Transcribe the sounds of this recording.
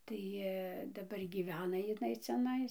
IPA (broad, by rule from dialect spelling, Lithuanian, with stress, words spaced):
ˈtɐɪ dɐˈbɐr ɡʲiːˈʋʲæːnɐ ɪˈnɐɪ t͡sʲɛˈnɐɪs